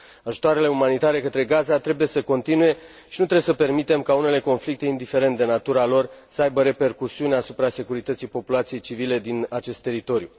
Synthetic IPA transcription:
aʒu̥t̪oaɾe̞le̞umanit̪aɾe̞kət̪ɾe̞ɡazat̪ɾe̞buje̞səko̞nt̪inuje̞ | ʃinut̪ɾeesəpe̞rmit̪e̞mkaune̞le̞ko̞nflik̚t̪e̞ind̪ife̞ɾe̞nt̪̚d̪enat̪uɾalo̞rsəajbəɾe̞pe̞rkusiuneasupɾase̞kuɾit̪ət̪sijpo̞pulat̪sije̞jt͡ʃivile̞d̪inat͡ʃe̞st̪ːe̞ɾit̪o̞ɾju

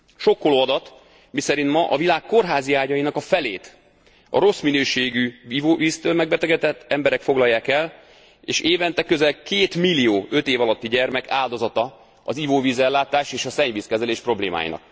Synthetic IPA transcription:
ʃo̞kːoloɒd̪ɒt̪ | misɛɾint̪mɒʔɒvilaːkːo̞rɦaːziaːɟɒjinɒkɒfɛleːt̪ | ɒ̰ɾo̞sminøːʃeːɡyivoːviːst̪øːlmɛɡ̚bɛt̪ɛɡɛt̪ɛt̪ːɛmbɛɾɛkfo̞ɡlɒjːaːkɛl | ḛːʃeːvɛnt̪ɛkːøzɛlkeːt̪milːijoːø̞t̪eːvɒlɒt̪ːiɟɛrmɛkʰaːld̪o̞zɒt̪ɒ | ɒzivoːviːzɛlːaːt̪aːʃeːʃɒsɛɲviːskɛzɛleːʃpro̞blḛːma̰ːjḭnɒ̰k̚

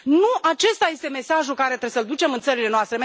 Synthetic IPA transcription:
nuat͡ʃe̞st̪aje̞st̪e̞me̞saʒukaɾe̞t̪ɾesəld̪ut͡ʃe̞mɨnt̪səɾile̞noast̪ɾem

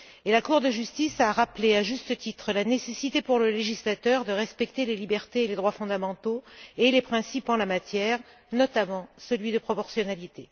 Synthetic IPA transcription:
elakuʁd̪əʒyst̪isaʁapleaʒyst̪ət̪it̪χəlanesesit̪epuʁləleʒislat̪œʁd̪əʁɛspɛkt̪elelibɛʁt̪eːled̪ʁwafɔ̃d̪amɑ̃t̪oelepχɛ̃sipɑ̃lamat̪jɛʁ | nɔt̪amɑ̃səlɥid̪əpχɔpɔʁsjɔnalit̪e

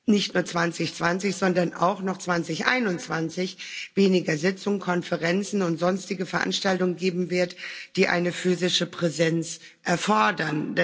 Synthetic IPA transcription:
nɪçtnuːɐt͡sv̥ant͡sɪçt͡sv̥ant͡sɪçz̥ɔndɐna̰ʊxnɔχt͡sv̥ant͡sɪçʔa̰ɪnʊnt͡sv̥ant͡sɪçveːnɪɡɐzɪt͡sʊŋkʰɔnfəʁɛnt͡sn̩ʊntz̥ɔnstɪɡəfɛɐʔa̰nʃtaltʊŋənɡeːbm̩vɪɐtd̥iːʔa̰ɪnəfyːzɪʃəpʁ̥ɛzɛnt͡s | ʔɛɐfɔɐdɐnd

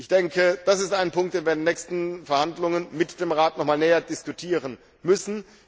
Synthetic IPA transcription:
ʔɪçd̥ɛŋkəd̥asɪstaɪnpʰʊŋktd̥eːnviɐdenːɛːçstn̩fɛɐhandlʊŋənmɪtd̥eːmʁaːtnɔχmaːlnɛːɐdɪskutʰiːʁən | mʏsn̩

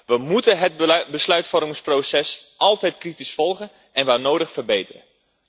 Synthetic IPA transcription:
ʋəmutənɦədbəslœɥtfɔrmɪŋsprowsɛsʔɑlˠtɛjtkritisfɔlˠχən | ɛnʋaːɹnowdəχfərbejtərə̰n

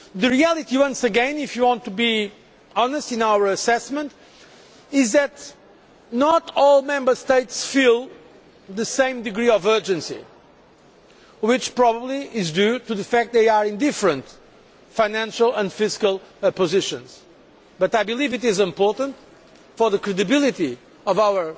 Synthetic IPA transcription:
ðɨɹiælˠit̪iwʌ̃nsɨɡɛ̃nifjɨwɔ̃nt̪ʰubi | ɔnəstɨ̃nawə˞əsɛsmə̃nt | ɪzðɨt | nətɔlˠmɛ̃mbə˞st̪eɪtsfilˠ | ðɨsẽɪ̃md̪ɨɡɹiɔvɜ˞d͡ʒɨ̃nsḭ | wɪt͡ʃpɹɔbəbliɪzdʉtuðɨfæk̚t̪̚ðeɪəɹɪ̃nd̪ɪfɾə̃nt | faɪnæ̃nʃəlˠə̃ndfɪskəlˠpɨzɪʃə̰̃nz̥ | b̥ʌt̪aɪbɨlivɨtɪzɪ̃mpɔɹtə̃nt | fɔ˞ðɨkɹɨdɨbɪlˠiti | ɔvawə˞

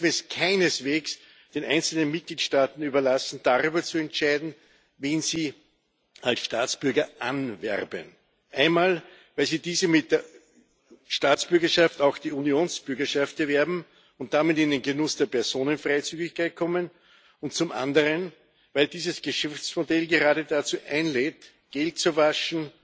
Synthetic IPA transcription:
fɛskʰaɪnəsveːks | d̥eːnʔa̰ɪnt͡sl̩nənmɪt̚ɡ̥liːtʃtaːtn̩yːbɐlasn̩d̥aʁyːbɐt͡suɛntt͡ʃaɪdn̩ | veːnziː | alsʃtaːt͡sb̥ʏɐɡɐʔanvɛ̰ʁbə̰n | ʔaɪnmaːlvæɪlziːdiːzəmɪt̚d̥eːɐ | ʃtaːt͡sb̥ʏɐɡɐʃaftɑʊxd̥iːunjoːnsb̥ʏɐɡɐʃaft̚ɛɐvɛɐbm̩ | ʊnt̚d̥amɪtɪndenɡənʊsd̥eːɐpɛɐzoːnənfʁaɪt͡syːɡɪçkʰæɪt̚kʰɔmən | ʊntt͡sʊmʔã̰ndəʁən | væɪldiːzəsɡ̥əʃɛft͡smodɛlɡeʁaːɾədat͡suːʔæɪnlɛːt | ɡ̥ɛlt̚t͡suvaʃn̩

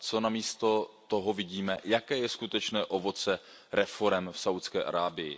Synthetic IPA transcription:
t͡so̞namiːst̪o̞t̪oɦo̞vɪɟiːmɛjakɛːjɛskut̪ɛt͡ʃnɛːʔo̞vo̞t͡sɛ | ɾɛfo̞ɾɛmfsawt̪skɛ̰ːʔa̰ɾaːbɪjɪ̰

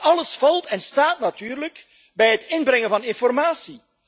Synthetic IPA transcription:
ɑləsfɑlˠtɛnstaːtnatyːrlək | bɛjɦətɪnbɾɛŋəvɑnɪnfɔrmaːsi

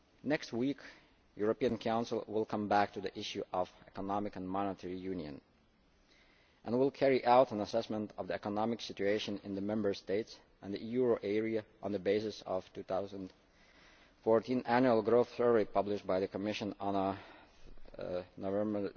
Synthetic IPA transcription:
nɛkst̚wik | juɹəpiɨ̃nkʰãʊ̃nsl̩ˠwɪlˠkʰʌ̃mbæk̚tɨðiʔɪʃjʉʔʌvɛkənɑmɨkə̃nmɑnətʰɛɹijʉ̃njɨ̰̃n | ʔə̃nwɪlˠkʰɛɹiʔaʊɾə̃nəsɛsmə̃ntʰʌvðiɛkənɑmɨksɪt͡ʃʉeɪʃɨ̃nɪ̰̃nðəmɛ̃mbə˞steɪts | ʔɨ̃nðijuɹoʔɛɹiəʔə̃nðəbeɪsɨsʌ̰v̥tuθaʊzə̃n | fɔɹtĩnʔænjuəl̩ˠɡɹoʊθθəɹolˠipʌblɪʃt̚baɪðɨkʰəmɪʃə̃nə̃nə | novɛ̃mə

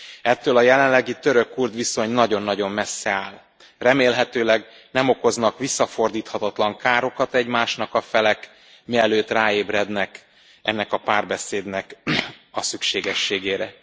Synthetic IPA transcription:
ɛt̪ːøːlɒjɛlɛnlɛɡit̪ø̞ɾø̞kːurd̪ʋiso̞ɲnɒɟo̞nːɒɟo̞mːɛsːɛaːl | rɛmeːlɦɛt̪øːlɛɡ | nɛmo̞ko̞znɒkʋisːɒfo̞rd̪iːt̪hɒt̪ɒt̪lɒŋkaːɾo̞kɒt̪ɛɟmaːʃnɒkɒfɛlɛk | miɛløːt̪raːeːbrɛd̪nɛk | ʔɛnːɛkɒpaːrbɛseːd̪nɛkɒsykʃeːɡɛʃːeːɡeːɾɛ

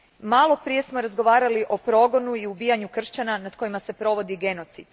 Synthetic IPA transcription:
malˠo̞pɾije̞smo̞ɾazɡo̞ʋaːɾaliʔo̞pɾo̞ɡo̞nuiubiːjaɲukr̩ʃt͡ɕananad̪ko̞jimase̞pɾo̞ʋo̞d̪iɡe̞no̞t̪sid̪̥

